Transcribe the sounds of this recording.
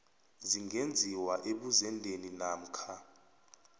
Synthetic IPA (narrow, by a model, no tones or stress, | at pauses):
ziŋɡend͡zʱiwaʔeɓuzɛndʱeninaːm̩kʰa